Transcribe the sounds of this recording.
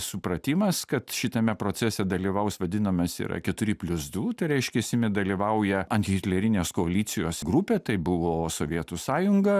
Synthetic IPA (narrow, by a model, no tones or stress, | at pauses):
sʊpɾɐt̪ʲimɐskɐt̪ʃʲɪt̪ɐmʲɛpɾoːt͡ssʲɛsʲɛd̪ɐlʲiːʋɐʊsʋɐd̪ʲɪnɐmɐsɪ̰ɾɐ̰kʲɛt̪ʊɾʲɪpʲlʲʊzd̪uːt̪ɐɪɾʲɛɪʃʲkʲɛsʲɪmʲɪd̪ɐlʲiːʋɐʊjɛɐnʲkʲhɪt̪ʲlʲɛɾʲɪnʲeːskoɐlʲiːt̪sʲɪjoːsɡɾupʲeːt̪ɐɪbʊʋoːsoːʋʲiɛt̪usɑːjʊŋɡɐ